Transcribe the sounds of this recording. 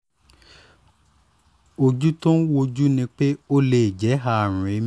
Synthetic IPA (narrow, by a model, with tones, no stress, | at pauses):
o˧d͡ʒu˦tɔ̃˦wo˧d͡ʒu˦nĩ˧k͡pe˦o˦le˨d͡ʒɛ˨˦ɦa˦˨ɾ̃ũ˨ɾĩ˨˦